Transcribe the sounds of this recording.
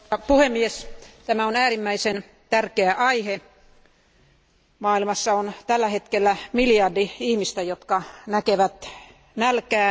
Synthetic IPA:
puhemːiest̪æmæonæːrimːæisen | t̪ærkeæʔɑihe | mɑːilmɑsːɑont̪ælːæhet̪kelːæmiljɑrdiihmist̪æjot̪kɑnækeʋæt̪ | nælkæː

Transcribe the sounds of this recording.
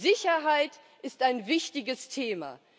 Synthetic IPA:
zɪçɐɦaɪt | ʔɪstaɪnvɪçtɪɡəstʰeːma̰

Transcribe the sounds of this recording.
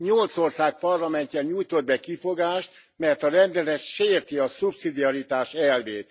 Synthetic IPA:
ɲolt̪sorsaːk̚pɒrlɒmɛɲcɛɲujt̪o̞d̪̚bɛkifo̞ɡaːʃt̪ | mɛrt̪ɒɾɛnd̪ɛlɛt̪ʃeːrt̪iɒsupsid̪iɒɾit̪aːʃɛlveːt̪

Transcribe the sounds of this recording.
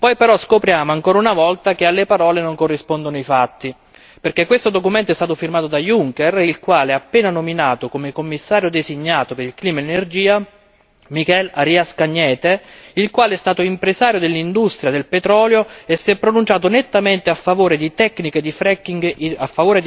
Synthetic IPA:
pɔjpeɾɔskopɾjaːmoaŋkoːɾaunavɔlt̪akealːepaɾɔːlenoŋkorːispond̪onoifat̪ːi | perkekːwest̪od̪okument̪oɛst̪aːt̪ofirmaːt̪od̪ajuŋkerilkwaːlɛapːeːnanominaːt̪okomekomːisːaːɾjod̪esiɲːaːt̪opeɾilkliːmaenerd͡ʒiːa | mikɛlaɾiːaskaɲːɛːt̪eilkwaːleɛst̪aːt̪oimpɾesaːɾjod̪elːind̪ust̪ɾjad̪elpet̪ɾɔːljoesːiɛpːɾonunt͡ʃaːt̪̬onet̪ːament̪eafːavoːɾed̪it̪ɛkːniked̪ifɾɛkːiŋɡafːavoːɾe

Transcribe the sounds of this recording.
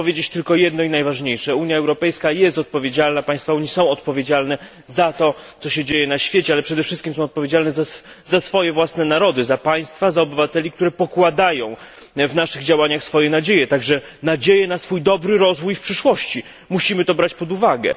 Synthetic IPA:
ɔvjed͡ʑet͡ɕt̪ɘlkɔjɛd̪nɔinajvaʐɲejʂɛuɲjaɛwɾɔpɛjskajɛst̪ɔt̪̚pɔvʲjed͡ʑalnapaj̃st̪fauɲisɔ̃w̃ɔt̪̚pɔvʲed͡ʑalnɛ | zat̪ɔt̪sɔɕɛd͡ʑejɛnaɕfʲjet͡ɕɛalɛpʂɛd̪ɛfʂɘst̪kʲimsɔ̃w̃ɔt̪̚pɔvʲjed͡ʑalnɛza | zasfɔjɛvwasnɛnaɾɔd̪ɘzapaj̃st̪fazaɔbɘvat̪ɛlʲik̚t̪uɾɛpɔkwad̪ajɔ̃w̃ | vnaʂɘɣd͡ʑawaɲaxsfɔjɛnad͡ʑejɛt̪aɡʐɛ | nad͡ʑejɛnasfujd̪ɔbɾɘɾɔzvujfpʂɘʂwɔɕt͡ɕi | muɕimɘt̪ɔbɾat͡ɕpɔd̪uvaɡɛ̰

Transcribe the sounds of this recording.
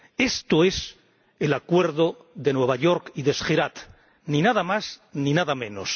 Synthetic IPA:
e̞st̪oe̞s | elakwe̞ɾðo | ðe̞nwe̞β̞aʝo̞ɾkiðesxeɾat̪ | ninaðamasninaðamẽ̞nos

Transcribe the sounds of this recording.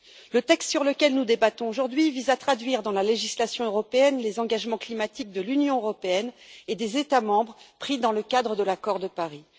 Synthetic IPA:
lət̪ɛkst̪syʁləkʲɛlnud̪ebat̪ɔ̃oʒuʁd̪ɥivizat̪χad̪ɥiʁd̪ɑ̃laleʒislasjɔ̃øʁɔpeɛnlezɑ̃ɡaʒmɑ̃klimat̪ik̚d̪əlynjɔ̃øʁɔpeɛned̪ezet̪amɑ̃bʁpχid̪ɑ̃ləkad̪ʁəd̪əlakɔʁd̪əpaʁi

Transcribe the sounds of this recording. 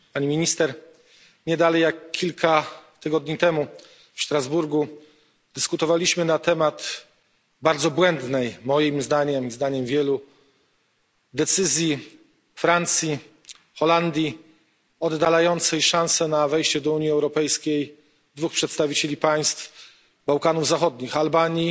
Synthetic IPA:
paɲimʲiɲist̪ɛɾ | ɲɛd̪alɛjakʲːilkʰat̪ɘɡɔd̪ɲit̪ɛmu | fʂt̪ɾazbuɾɡu | d̪ɘskut̪ɔvalʲiɕmɘnat̪ɛmat̪ | baɾd̪zɔbwɛnd̪nɛjmɔjimzd̪aɲɛmizd̪aɲɛmvʲjɛlu | d̪ɛt̪sɘzʲji | fɾant̪sʲji | xɔland̪ʲji | ɔd̪ːalajɔnt̪sɛjʂãnsɛnavɛjɕt͡ɕɛd̪ɔuɲiɛwɾɔpɛjskʲej | d̪vuxpʂɛt̪st̪avʲit͡ɕelʲipaj̃st̪f | bawkanuvzaxɔd̪ɲixalbaɲi

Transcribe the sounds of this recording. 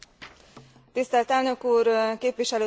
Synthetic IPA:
t̪ist̪ɛlt̪ɛlnø̞kuːrkeːpʋiʃɛløː

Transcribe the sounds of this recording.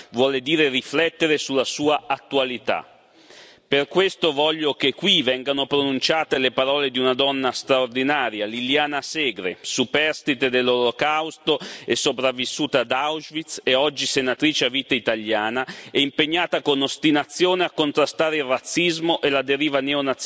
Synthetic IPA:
vwɔːled̪iːɾeriflɛt̪ːeɾesulːasuːaat̪ːualit̪a̰ | perkwest̪ovɔʎːokekːwivɛŋɡanopɾonunt͡ʃaːt̪elepaɾɔːled̪iunad̪ɔnːast̪ɾaord̪inaːɾjaliljaːnasɛːɡɾḛsupɛrst̪it̪ed̪elːolokawst̪oesːopɾavːisːuːt̪ad̪awzvit̪seɔd͡ʒːisenat̪ɾiːt͡ʃeaviːt̪ait̪aʎːjaːnaɛimpeɲːaːt̪akonost̪inat̪sːjoːneakːont̪ɾast̪aːɾeilrat̪sːizmoʔelad̪eɾiːvaneonat̪ː

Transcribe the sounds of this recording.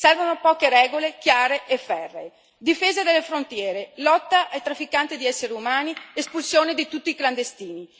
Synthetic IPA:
sɛrvonopɔːkeɾɛːɡolekjaːɾeʔefɛrːḛ | d̪ifeːzad̪elːefɾont̪jɛːɾelɔt̪ːaʔajt̪ɾafːikant̪id̪iɛsːeɾeumaːniespulsjoːned̪it̪ut̪ːiːkland̪est̪iːni

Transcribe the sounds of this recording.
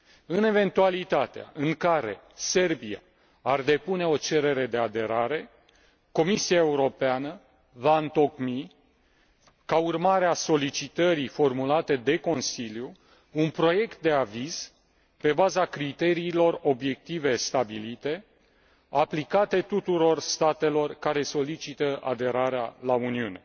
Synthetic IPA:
ɨne̞ve̞nt̪ualit̪at̪ea̰ɨŋkaɾe̞̰ | se̞rbia̰ | ard̪e̞pune̞o̞t͡ʃe̞ɾe̞ɾe̞d̪e̞ad̪e̞ɾaɾe̞ | ko̞misiaeuɾo̞peanə | vaɨnt̪o̞kmi | kaurmaɾeaso̞lit͡ʃit̪əɾifo̞rmulat̪e̞d̪e̞ko̞nsilju | unpɾo̞je̞kt̪̚d̪e̞aviz̥ | pe̞bazakɾit̪e̞ɾiːlo̞ro̞bje̞k̚t̪ive̞st̪abilit̪e̞ | aplikat̪e̞t̪ut̪uɾo̞rst̪at̪e̞lo̞rkaɾe̞so̞lit͡ʃit̪əʔa̰d̪e̞ɾaɾealauniune̞

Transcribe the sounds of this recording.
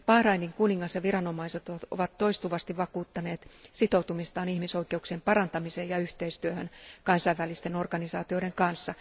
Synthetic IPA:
pɑhrɑiniŋkuniŋːɑsjɑʋiɾɑno̞mɑiset̪oo̰ʋɑt̪ːo̞ist̪uʋɑst̪iʋʋɑkuːt̪ːɑne̞ːt̪sit̪o̞wt̪umist̪ɑːnihmiso̞ike̞uksiempɑɾɑnt̪ɑmiseːjɑyht̪eist̪yøhønkɑnsɑiʋʋælist̪eno̞rɡɑnisɑːt̪io̞deŋkɑnsːɑ

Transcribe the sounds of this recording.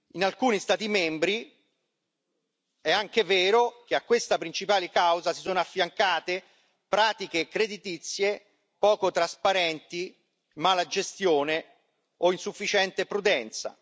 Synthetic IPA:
inalkuːnist̪aːt̪̬imɛmbɾi | ɛaŋkeveːɾokeakːwest̪apɾint͡ʃipaːlikawzasisoːnoafːjaŋkaːt̪e | pɾaːt̪ikekɾed̪it̪it̪sːje | pɔːkot̪ɾaspaɾɛnt̪i | maːlad͡ʒest̪joːne | oinsufːit͡ʃɛnt̪epɾud̪ɛnt̪sa̰

